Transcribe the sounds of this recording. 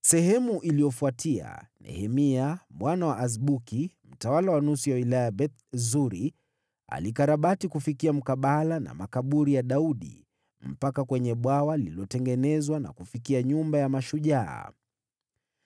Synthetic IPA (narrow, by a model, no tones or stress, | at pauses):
sɛɦɛmuʔilijɔfuatʰia̰nɛ̰hɛmiamwanawaazɓukim̩tawalawanusijawilajabɛt̪ | zuɾi | a̰likaɾaɓatikufikiam̩kaɓalana̰makaɓuɾijaɗauɗḭ | m̩pakakwɛɲɛɓwawaliliɔtɛŋɡɛnɛzwana̰kufikiaɲumbajamaʃuʄa̰ː